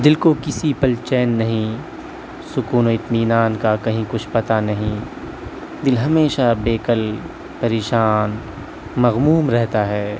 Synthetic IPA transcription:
d̪ɪlkokɪsipɐlt͡ʃɛːnːɐɦĩ | sʊkuːnoɪt̪miːnaːnkakɐɦĩkʊt͡ʃʰpɐt̪anɐɦĩ | d̪ɪlɦɐmeːʃabeːkəl | pɐɾeːʃaːn | mɐɣmuːmɾɛɦt̪aɦɛː

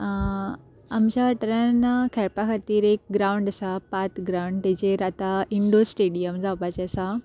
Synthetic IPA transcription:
ɐmɕaɐʈɾənkʰɛɾpakat̪iːɾek̚ɡɾaːʊ̃ɳɖɐsapaːt̪ɡɾaʊɳɖt̪ẽd͡ʑeɾat̪aiɳɖosʈeːɖijəmzabat͡ɕesã

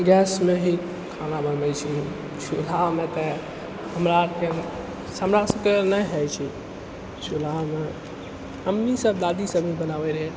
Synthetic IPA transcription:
ɡɛsmeɦi | kʰanabənmɛt͡ʃʰi | t͡ʃʰulaɦmet̪ɛ | həmɾake | səmɾasəkenəɦɛt͡ʃʰi | sulaɦme | əmnisəbd̪ad̪isəbʱibənaʋɛɾɛ

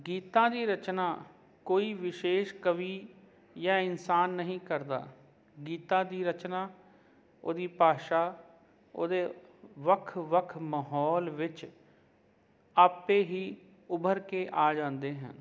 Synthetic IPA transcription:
ɡiːt̪ãːd̪iːɾət͡ʃnaː | koːiːʋɪʃeːʃkəʋiː | jãːɪnsaːnːəɦĩːkəɾd̪a̰ː | ɡiːt̪ãːd̪iːɾət͡ʃnaː | o̰ːd̪iːpaːʃaː | o̰ːd̪eːʋəkʰʋəkʰməɦɔːlʋɪt͡ʃ | aːpeːɦiː | ʊbʱəɾkeːʔaːd͡ʒãːnd̪eːɦɛ̰̃nː

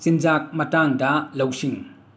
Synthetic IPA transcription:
sind͡ʒak̚mɐtaŋdɐlɐwsiŋ

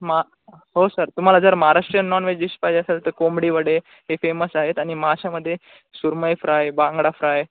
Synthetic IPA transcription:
m | ɦosəɾt̪um̤alad͡zəɾməɦaɾaʂʈɾəjənːɔnʋed͡ʑiɕpajd͡ʑeasalt̪əɾkomɽiːʋəɽe | ɦefeməsaɦet̪aɽ̃iməɦaɕaməd̪ʱːje | suɾməjfɾajbãŋɡɽafɾaj

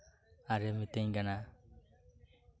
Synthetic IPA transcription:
aɾemit̪eɲɡana

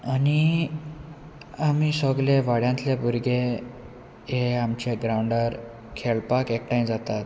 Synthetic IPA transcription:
ani | amisəɡleʋaɽjãnt̪lebuɾɡe | eamt͡ɕeɡɾawɳɖəɾ | kʰeɭpakekʈaimd͡zat̪at̪

